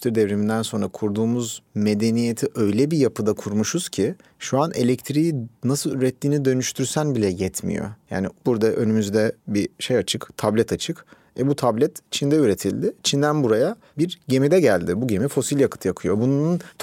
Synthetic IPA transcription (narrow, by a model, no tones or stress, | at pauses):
t̪iɾid̪ɛvɾemind̪ænso̞nɾakʰuɾd̪uːmuzme̞d̪e̞nije̞t̪ʰiʔø̞jlʲɛbijapɯd̪akʰuɾmuʃuz̥cʰiʃuanʔe̞̰lʲɛct̪ʰɾiinasɯlˠyɾɛt̪ʰːiːnid̪ø̞nyʃt̪ʰyɾsænbilʲɛjɛt̪ʰmḭjo̞̰ja̰ːnibuɾd̪aʔø̞nymyzd̪ɛbiʃe̞jat͡ʃʰɯkt̪ʰablʲɛt̪ʰat͡ʃʰɯk | ɛbut̪ʰablʲɛt̪t͡ʃʰind̪ɛyɾe̞t̪ʰilʲd̪ɪt͡ʃʰind̪ænbuɾaja | biɾɟe̞mid̪ɛɟælʲd̪ɪbuɟe̞mifo̞silʲjakʰɯ̥t̪ʰɯjakʰɯjo̞bununʰ